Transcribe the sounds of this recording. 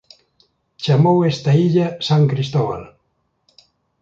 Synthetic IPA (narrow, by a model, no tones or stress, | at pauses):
t͡ʃamowest̪aiʎasaŋkɾist̪oβa̰l